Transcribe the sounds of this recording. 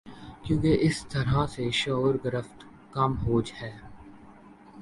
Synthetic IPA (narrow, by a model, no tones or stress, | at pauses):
kjõːkeʔɪst̪ɐɾaseʃɔːɾɡɾəft̪ | kɐmɦoːd͡ʒhɛː